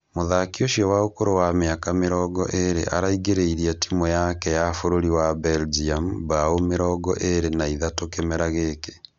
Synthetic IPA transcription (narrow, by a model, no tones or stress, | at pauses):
moðakioʃiɔwaokoɾowameakameɾɔɡɔ̰ʔeɾḛʔaɾaiɡeɾeiɾiatimɔjakɛjafoɾoɾiwabɛld͡ʒiambaomeɾɔɡɔʔeɾenaiðatokemɛɾaɣeke